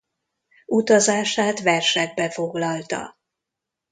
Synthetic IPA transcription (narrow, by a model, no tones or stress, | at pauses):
ut̪ɒzaːʃaːt̪ʋɛrʃɛɡ̚bɛfo̞ɡlɒlt̪ɒ̰